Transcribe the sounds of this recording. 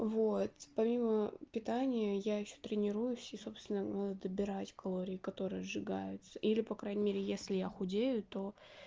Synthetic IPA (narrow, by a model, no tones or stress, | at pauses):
vot̪pɐmʲiməpʲɪt̪anʲɪjəjaɪɕːo̥t̪ɾʲɪnʲɪɾujʊsʲiso̞pst̪vʲɪnənad̪əd̪əbʲɪɾatʲkɐlˠo̞ɾʲɪɪkɐt̪o̞ɾɨjəzʐɨɡajʊt̪sə̥ʔilʲɪpɐkɾajnʲɪmʲeɾʲɪjesʲlʲɪjaxʊdʲejʊt̪o̞